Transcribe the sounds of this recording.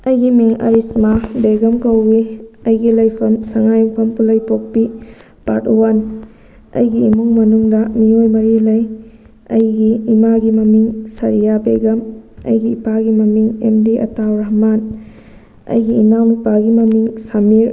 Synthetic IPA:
ɐjɡimiŋɐ̰ɾismabeɡɐmkɐwbiɐjɡilɐjpʰɐmsɐŋajuŋpʰɐmpulɐjpok̚pi | patuwan | ɐ̰jɡiːmuŋmɐnuŋdɐmiojmɐɾilɐj | ɐ̰jɡiːmaɡimɐmiŋsɐɾijabḛɡɐmɐ̰jɡiːpaɡimɐmiŋḛmdiʔɐ̰tawɾɐɦman | ɐ̰jɡiːnawmipaɡimɐmiŋsamiɾ

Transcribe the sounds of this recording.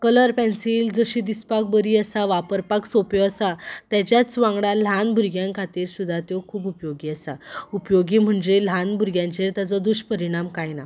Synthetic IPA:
kələɾpɛ̃nsild͡zəɕid̪ispak̚bəɾiːəsaʋapəɾpaksopjɔəsat̪jat͡ɕjat͡sʋãŋɡɽal̤anbʱuɾɡjãŋkʰat̪iːɾsud̪ʱːat̪jokʰuːbupjoɡiːəsaupjoɡiːm̤əɳd͡zel̤anbʱuɾɡjãɲt͡ɕeɾt̪jat͡sɔd̪uɕpəɾiɽ̃amkajna

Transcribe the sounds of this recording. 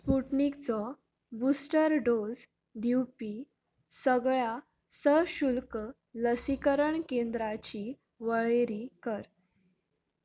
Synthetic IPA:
spuʈnikt͡sɔ | busʈəɾɖod͡z | d̪iwpi | səɡɭja | səɕulk | ləsikəɾəɳkend̪ɾat͡ɕi | ʋəɭeɾikəɾ

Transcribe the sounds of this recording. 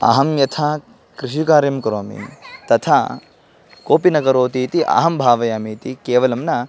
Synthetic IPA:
ɐ̰ɦɐmjɐt̪ʰaː | kɾiʃikaːɾjɐmkɾoːmḭnt̪ɐt̪ʰaː | koːpinɐkɐɾoːt̪iːt̪iʔɐ̰ɦɐmbʱaːʋɐjaːmiːt̪ikeːʋɐlɐmnɐ

